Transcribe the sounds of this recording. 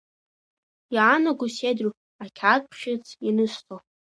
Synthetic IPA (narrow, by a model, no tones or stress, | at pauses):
jaːnaɡʷʊsedru | akʲʰakpʰχʲɪt͡sʰinɨstʰo